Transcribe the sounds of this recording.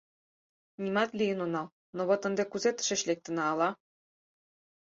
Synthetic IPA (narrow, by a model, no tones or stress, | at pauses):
nʲimɑt̪lʲijə̆nonɑl | noβɤ̆t̪ə̆nd̪ekuzet̪ə̥̆ʃĕɕlʲek̚t̪ə̆nɑːlɑ